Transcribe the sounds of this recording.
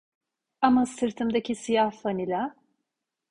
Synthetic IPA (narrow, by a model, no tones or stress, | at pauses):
amasɯɾt̪ʰɯmd̪acʰisijahfanilʲa